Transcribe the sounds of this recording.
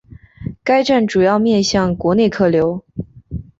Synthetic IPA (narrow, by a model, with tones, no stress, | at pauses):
ka˥ɪʈ͡ʂa˥˩nʈ͡ʂu˨˩jɑ˥˧ʊmjɛ˥˧nɕjɑ˥˩ŋkwɔ˧˥ne˥˧ɪkʰɤ˥˩ljo˧˥ʊ